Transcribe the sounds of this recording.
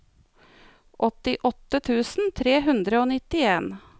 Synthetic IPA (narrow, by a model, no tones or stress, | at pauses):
ʔɔt̪ɪʔɔt̪ət̪ʰʉːsn̩t̪ʰɾeːɦʉnd̪ɾəoːnɪt̪ɪeːn